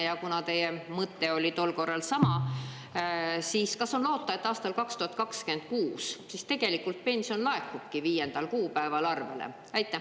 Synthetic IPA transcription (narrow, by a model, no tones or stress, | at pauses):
jɑkunɑt̪e̞jemɤt̪ːe̞o̞lʲit̪o̞lko̞rːɑlsɑmɑ | siːskɑso̞nlo̞ːt̪ːˑɑet̪ːˑɑːst̪ɑlkɑkst̪uhɑt̪̚ˑkɑkske̞nd̪̥̚kuːssist̪e̞ɡ̥e̞likːˑult̪̚pe̞nʲsio̞nlɑe̞kːˑub̥kiviːje̞nd̪̥ɑlkuːpæevɑlɑrve̞̰lḛ | ɑjt̪ːˑe